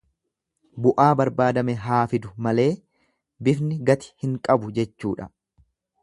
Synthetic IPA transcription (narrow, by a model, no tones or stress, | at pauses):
bʊʔaːbɐɾbaːd̪ɐmɛɦaːfɪd̪ʊmɐle̞ː | bɪfnɪɡɐt̪ɪ̥hɪŋkʼɐbʊd͡ʒɛt͡ʃːuːᶑɐ